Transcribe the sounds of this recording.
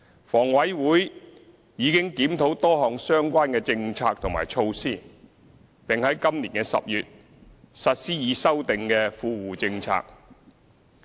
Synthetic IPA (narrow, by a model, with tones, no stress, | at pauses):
fɔː˨˩ŋwɐ˨˥jwuː˨˥j | jiː˨˧kɪ˥ŋkiː˨˥mt̪ʰo˨˥wt̪ɔː˥ɦɔː˨ŋsœː˥ŋkʷaː˥nkɛː˧t͡sɪ˧ŋt͡sʰaː˧k̚t̪ʰʊ˨˩ma̰ː˨˩jt͡ʃʰo˧wsiː˥˩ | pɪ˨ŋhɐ˨˥jkɐ˥mliː˨˩nkɛ˧sɐ̰˨p̚jyː˨t̚ | sɐ˨t̚siː˥jiː˨˧sɐ˥wt̪ɪ˨ŋkɛː˧fuː˧wuː˨˩t͡sɪ˧ŋt͡sʰa̰ː˧k̚